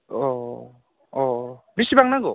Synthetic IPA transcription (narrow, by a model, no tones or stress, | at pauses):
ɔ | ɔbisibaŋnaɡɔ